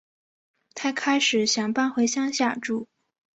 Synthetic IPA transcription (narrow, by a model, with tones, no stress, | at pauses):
t̪ʰa˥ɪkʰa˥ɪʂɻ̩˨˩˦ɕjɑ˨˩ŋpa˥˧nxwe˧˥ɪɕjɑ˥ŋɕja˥˩ʈ͡ʂu˥˩